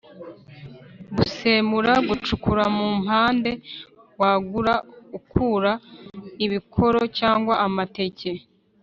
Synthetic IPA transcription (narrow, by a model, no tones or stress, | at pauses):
ɡuseːmuɾaɡut͡ʃukuɾamuːm̥haːnde̞ | waːɡuɾaukuːɾaiβikʰo̞ɾo̞caːŋɡwaʔamate̞ce̞